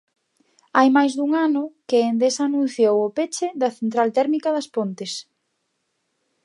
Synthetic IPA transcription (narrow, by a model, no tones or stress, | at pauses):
ajmajzðuŋanʊkɪːnd̪esaːnũn̟θjowʊpet͡ʃɪðɐθent̪ɾalt̪ɛɾmikɐðɐspont̪ɪs